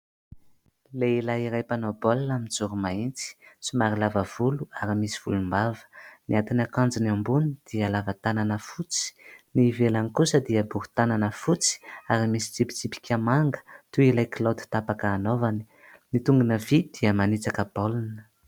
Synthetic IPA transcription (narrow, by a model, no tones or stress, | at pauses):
leilaiɾajpanobolnamind͡zuɾumaint͡si̥sumaɾilavəv̥uluaɾimisiv̥ulumbavə̥niat̪inakand͡zinambunid̪̥iəlavat̪ananəfut͡si̥nivelanikusəd̪iəbuɦu̥t̪ananəfut͡si̥aɾimisi̥t͡sipi̥t͡sipi̥kʰʲamaŋɡə̥t̪uilajkilot̪i̥t̪apakaːnovani̥ | nit̪uŋɡunəvid̪̥iəmanit͡sakəbolunə